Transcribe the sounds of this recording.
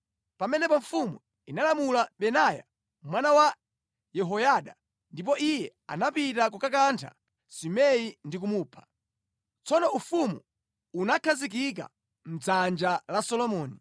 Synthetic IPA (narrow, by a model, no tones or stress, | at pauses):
pamɛnɛpɔɱfumu | inalamulaɓɛnaja̰ | mwanawa | jɛɦɔjaɗa | ndip̬ɔʔijɛa̰napitak̬ukak̬antʰa̰ | simɛjindik̬umuːpʰḁ | t͡sɔnɔufumṵ | unakʰazik̬ik̬a̰ | m̩d͡zand͡ʒalasɔlɔmɔːni